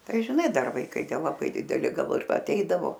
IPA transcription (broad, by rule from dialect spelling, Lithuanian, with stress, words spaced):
ˈtɐɪ ʒʲɪˈnɐɪ ˈdɐr ʋɐɪˈkɐɪ ˈtʲiɛ lˠɐˈbɐɪ dʲɪˈdʲæːlʲɪ ˈɡɐlˠ ɪr ɐˈtʲɛɪdɐʋoː